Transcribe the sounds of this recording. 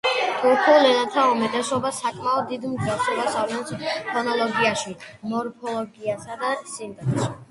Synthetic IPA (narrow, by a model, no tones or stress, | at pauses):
d̪̥ukʰɔlɛnat̪ʰaumɛt̪ʼɛsɔbasakʼmaɔd̪ːid̪mɡɛsɔbasavnɛnsʰpʰɔnɔlɔɡiaʃimɔɾpʰɔlɔɡiasad̪asint̪ʼɛsi